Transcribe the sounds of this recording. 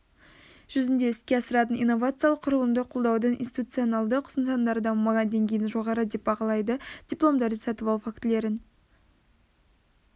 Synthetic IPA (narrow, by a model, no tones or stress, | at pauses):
ʒ̥ʏzɪnd̪e̞ɪskʲe̞ɑsəɾɑt̪ənḭjnːo̞vat̪sɨjalˠəqʰːʊɾəlˠəmd̪əqʰolˠd̪ɑwd̪əɴʔḭnst̪ʲit̪ut̪sɨjo̞nɑlˠd̪əqʰʊ̥sənsɑond̪ɑɾd̪ɑmɑɑd̪eŋkʲʰe̞jɪnʒo̞ʁɑɾəd̪e̞p̚bɑʁɑlˠɑjd̪əd̪̥ʲiplˠo̞md̪ɑɾd̪əsɑt̪əvɑlˠfakt̪le̞ɾɪn